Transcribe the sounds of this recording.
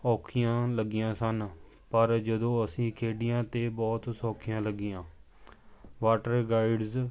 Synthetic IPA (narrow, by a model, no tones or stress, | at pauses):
ɔːkʰɪjãːləɡɪjãːsən | pəɾd͡ʒəd̪õːəsĩːkʰeːɖɪjãːt̪eːbɔːt̪sɔːkʰɪjãːləɡɪjãː | ʋaːʈəɾɡaːɪɖz